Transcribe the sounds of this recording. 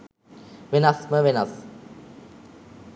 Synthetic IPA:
ʋenasməʋenas

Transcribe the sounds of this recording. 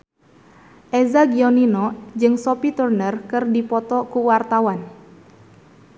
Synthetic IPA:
ʔezaɡiɔninɔd͡ʒɨŋsɔpit̪urnərkɨrdipɔt̪ɔkuwart̪awan

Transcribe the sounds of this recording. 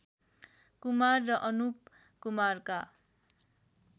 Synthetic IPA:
kumarːʌʔʌnup̚ | kumarka

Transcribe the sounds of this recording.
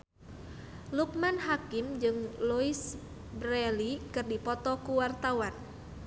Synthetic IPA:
luk̚manhakimd͡ʒɨŋluis | bɾɛlikɨrdipɔt̪ɔkuwart̪awan

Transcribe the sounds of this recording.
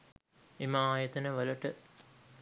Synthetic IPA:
emaaːjət̪ɐnəʋəlɐʈə

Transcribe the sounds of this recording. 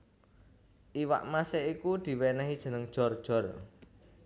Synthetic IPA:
ʔiwa̰ʔmaseikud̪̥i̤wɛnɛɦid̥ʒ̥ə̤nəŋd̥ʒ̥ɔ̤rd̥ʒ̥ɔ̤r

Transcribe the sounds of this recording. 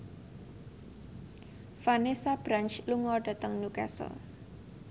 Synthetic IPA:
fanesab̥ɾant͡ʃluŋɔɖ̥a̤t̪əŋnukasɔ̰

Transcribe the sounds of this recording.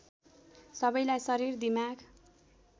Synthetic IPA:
sʌbʌjlajsʌɾird̪imaɡ

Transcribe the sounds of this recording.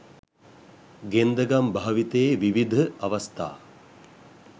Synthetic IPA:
ɡend̪əɡambaɦʋit̪əːʋiʋid̪ʱəaʋast̪a̰ː

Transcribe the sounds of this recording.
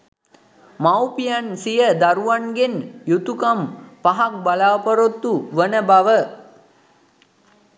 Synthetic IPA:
mawpijansijəd̪aɾuʋanɡenjut̪ukampaɦak̚balaːpəɾot̪ːuʋənəbaʋə

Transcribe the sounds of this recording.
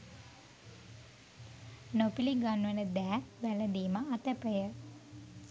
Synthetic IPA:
nopiliŋɡanʋənəd̪æːʋæləd̪iːməːt̪əpəjə

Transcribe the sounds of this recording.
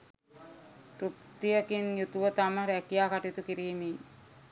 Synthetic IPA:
ɾupt̪ijəkinjut̪uʋət̪aməɾækijaːkaʈit̪ukiɾiːmej

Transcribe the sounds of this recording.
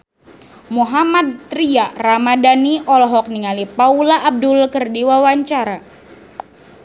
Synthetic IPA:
muɦamad̪̚t̪ɾiaramadaniʔɔlɔɦɔk̚niŋalipaulaʔːb̚dʊlkərdiwawaɲt͡ʃaɾa

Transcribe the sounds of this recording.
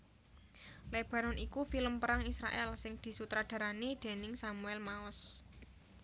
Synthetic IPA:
leb̥a̤ɾɔnikufiləmpəɾaŋisɾa̰ʔɛlsɪŋd̪̥i̤sut̪ɾad̪̥a̤ɾanid̪̥e̤nɪŋsamuɛlmaɔs

